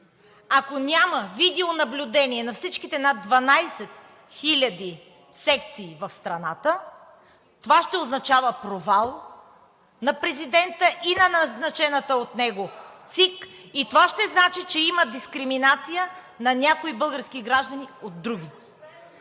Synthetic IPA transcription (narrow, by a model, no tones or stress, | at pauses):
akonʲaməvid̪ɛonɐblʲʊd̪ɛniɛnɐfsit͡ʃkit̪ɛnad̪vɐnajsɛt̪ | xilʲɐd̪i | sɛk̚t̪siːvɐfst̪ɾɐnat̪ə | t̪ovaʃt̪ɛoznɐt͡ʃavəpɾovalˠ | nɐpɾɛzid̪ɛnt̪əʔinɐnɐznɐt͡ʃɛnət̪əot̪nɛɡot̪sikit̪ovaʃt̪ɛznat͡ʃit͡ʃɛiməd̪iskɾiminat̪sijə | nɐnʲakoibɤlˠɡəɾsk̟iɡɾaʒd̪ɐniod̪ːɾuɡ̟ʲi